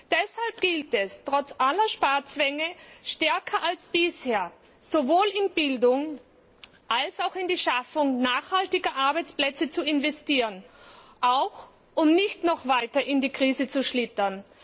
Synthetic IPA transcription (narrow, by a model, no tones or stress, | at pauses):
d̥ɛshalp̚ɡ̥ɪltɛstʁ̥ɔt͡sʔalɐʃpaːɐt͡sv̥ɛŋəʃtɛɐkʰɐʔalsb̥ɪsheːɐ | z̥ovoːlɪnbɪldʊŋ | ʔalsaʊxɪndiːʃafʊŋnaːxhaltɪɡɐʔaɐbaɪt͡splɛt͡sət͡suɪnvɛstiːʁənʔaʊx | ʔʊmnɪçtnɔχvaɪtɐʔɪndiːkʁ̥iːzət͡suʃlɪtɐn